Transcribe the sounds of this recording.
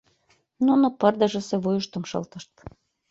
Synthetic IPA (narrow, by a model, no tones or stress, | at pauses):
nonopərd̪ə̆ʒə̆seβujuʃt̪ə̆mʃɤ̰lt̪ə̆ʃt̪̚